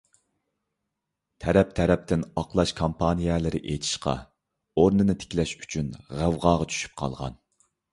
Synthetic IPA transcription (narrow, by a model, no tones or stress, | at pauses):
t̪ʰɛɾɛp̚t̪ʰɛɾɛp̚t̪ʰɪnɑqlˠɑʃkʰompʰɑnijɛlɪɾɪ̰ʔet̪ʰi̥ʃqʰɑ̰ | oɾnɨnɨt̪ʰe̥kʲlɛʃy̥t͡ʃʰynʁæwʁɑːʁɑt͡ʃʰy̥ʃy̥p̚qʰɑ̰lˠʁɑ̰n